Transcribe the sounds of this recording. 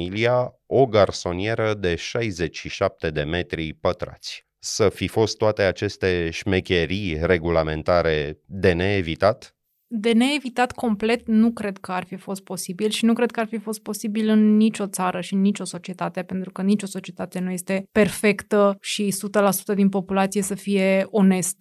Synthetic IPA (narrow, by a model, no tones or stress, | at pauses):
ilia | oɡarso̞nije̞ɾəd̪e̞ʃajze̞t͡ʃʲʃiʃap̚t̪e̞d̪e̞me̞t̪ɾipət̪ɾa̰t̪sʲ | səfifo̞st̪ːoat̪e̞at͡ʃe̞st̪e̞ʃmekʲeɾijre̞ɡulame̞nt̪aɾe̞d̪e̞ne̞ːvit̪at̪ | d̪e̞ne̞ːvit̪at̪ko̞mple̞t̪̚nukɾe̞d̪kəarfifo̞st̪̚po̞sibilʃinukɾed̪̚kəarfifo̞st̪̚po̞sibilɨnːit͡ʃʲo̞t̪saɾəʃiɨnːit͡ʃo̞so̞t͡ʃie̞t̪at̪eepe̞nt̪ɾukənit͡ʃo̞so̞t͡ʃie̞t̪at̪e̞nuje̞st̪e̞pe̞rfe̞kt̪əʃisut̪əlasu̥t̪əd̪inpo̞pulat̪sijesəfije̞o̞ne̞st̪